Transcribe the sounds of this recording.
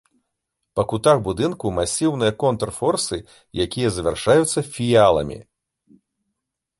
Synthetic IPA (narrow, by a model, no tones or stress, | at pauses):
pɐkut̪axbud̪ɨnkumasʲiwnɨjɐkɔnt̪rfɔrsɨ | jakʲijɐzɐvʲarʂajut̪sːɐfʲijalˠɐ̰mʲḭ